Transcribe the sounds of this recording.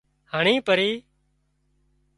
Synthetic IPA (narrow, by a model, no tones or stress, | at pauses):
həɳĩːpəɾiː